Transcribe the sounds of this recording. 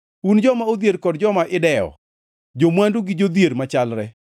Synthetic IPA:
und͡ʒɔmaod̪eɾkɔdd͡ʒɔmaʔɪdɛɔ̰ | d͡ʒomwanduɡɪd͡ʒod̪jeɾmat͡ʃalɾɛ

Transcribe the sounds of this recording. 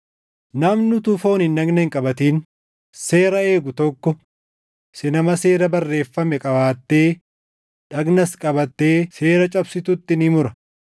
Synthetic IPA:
nɐmnʊt̪ʊfo̞ːnɪnːɐɡnɐhɪŋkʼɐbɐt̪iːn | se̞ːɾɐe̞ːɡʊt̪ɔkːɔ | sɛnɐmɐse̞ːɾɐbɐrːe̞ːfːɐmɛkʼɐbaːt̪ːe̞ː | ᶑɐɡnɐskʼɐbɐt̪ːe̞ːse̞ːɾɐt͡ʃʼɐbsɪt̪ʊt̪ːɪnɪmʊɾɐ

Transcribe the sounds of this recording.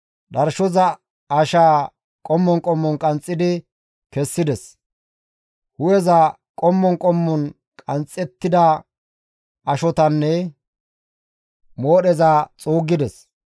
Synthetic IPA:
ɗɐɾʃɔzɐ | ɐʃaː | kʼɔmːɔŋkʼɔmːɔnkʼɐnt͡sʼːɪd̪ɪ | kɛsːɪd̪ɛs | hʊjɛzɐ | kʼɔmːɔŋkʼɔmːɔn | kʼɐnt͡sʼːɛt̪ːɪd̪ɐ | ʔɐʃɔt̪ɐnːɛ | moːɗɛzaːt͡sʼuːɡːɪd̪ɛs

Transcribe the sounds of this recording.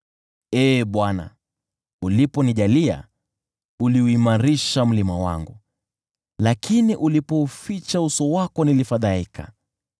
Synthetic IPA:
ɛːɓwana̰ | ulipɔniʄalia̰ | uliuimaɾiʃam̩limawa̰ŋɡu | lakʰiniʔulipɔufit͡ʃausɔwakɔnilifaðaikʰa̰

